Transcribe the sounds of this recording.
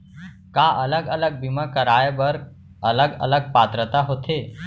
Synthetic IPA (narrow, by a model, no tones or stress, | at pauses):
kaʔələɡələɡ̚bimakəɾajbəɾ | ələɡə̰ləɡ̚pat̪ɾət̪aɦot̪ʰe